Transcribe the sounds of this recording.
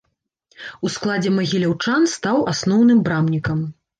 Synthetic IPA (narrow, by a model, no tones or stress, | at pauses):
usklˠad͡zʲɛmɐɣʲilʲawt͡ʂanst̪awasnɔwnɨmbɾamnʲikɐm